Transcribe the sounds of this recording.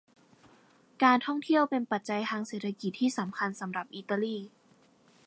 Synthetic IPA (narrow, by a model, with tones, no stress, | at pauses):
kaː˧nt̪ʰɔ˥˩ŋt̪ʰi˥˩əwpe˧npa˨˩t̪̚t͡ɕa˧jt̪ʰaː˧ŋseː˨˩t̪̚ʰa˧ki˨˩t̪ʰːiː˥˩sa˩˦mkʰa˧nsa˩˦mɾa˨˩p̚ʔiː˧˩t̪a˧liː˥˩